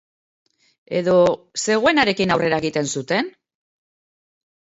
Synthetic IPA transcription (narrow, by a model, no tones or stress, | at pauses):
e̞̰ðo̞ | se̞ɣ̞oe̞naɾe̞kinawre̞ɾaeɣit̪e̞nsut̪e̞n